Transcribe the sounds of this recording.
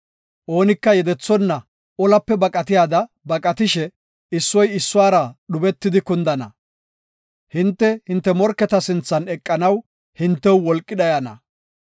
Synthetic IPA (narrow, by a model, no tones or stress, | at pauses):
ʔo̞ːnɪkːɐjɛd̪ɛt͡sːɔnːɐ | ɔlɐpːɛbɐkʼɐt̪ɪjaːd̪ɐ | bɐkʼɐt̪ɪʃɛ | ɪsːɔjɪsːʊwaːɾɐɗʊbɛt̪ːɪd̪ɪkʊnd̪ɐnɐ̰ | hɪnt̪ːɛhɪnt̪ːɛmɔɾkːɛt̪ɐsɪnt͡sːɐnɛkʼːɐnɐw | hɪnt̪ːɛwwɔlkʼːɪd̪ɐjɐnɐ̰